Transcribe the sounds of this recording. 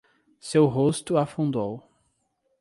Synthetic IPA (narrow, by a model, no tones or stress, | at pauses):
sewɦost̪ʊafũnd̪ow